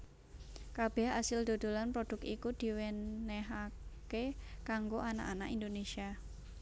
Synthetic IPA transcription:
kab̥ɛ̤hasɪld̪̥o̤d̪̥o̤lanpɾod̥ʊ̤k̚ikud̪̥i̤wɛnːɛɦakekaŋɡoʔana̰ʔana̰ʔind̪onesia

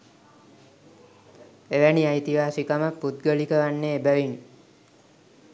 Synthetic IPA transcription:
eʋæniajt̪iɦaːsikaməpud̪̚ɡəlikəʋanːeːbæʋin

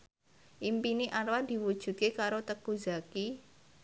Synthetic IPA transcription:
ʔimpiniʔaɾwad̪̥i̤wud̥ʒ̥ṳt̪̚kekaɾot̪əkuzaki

